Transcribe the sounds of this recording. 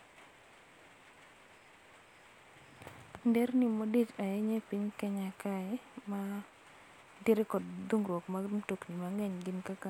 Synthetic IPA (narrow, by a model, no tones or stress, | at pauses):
ndernimodit͡ʃajɛɲepiɲkɛɲakaɛma | diɾekɔdduŋɾwokmatoknimaŋɛɲɡɪnkaka